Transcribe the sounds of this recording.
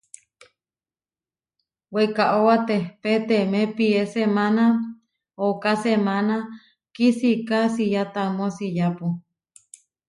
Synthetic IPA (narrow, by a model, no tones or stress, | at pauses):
wekaʔowat̪ehpet̪emepiesemana | okasemana | kisikasijat̪amosijapu